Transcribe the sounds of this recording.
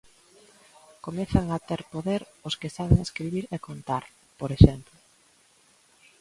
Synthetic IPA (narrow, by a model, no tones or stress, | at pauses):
komeθaŋat̪eɾpoðeɾʊskesaβ̞eŋeskɾiβiɾekont̪aɾ | poɾeʃɛmplʊ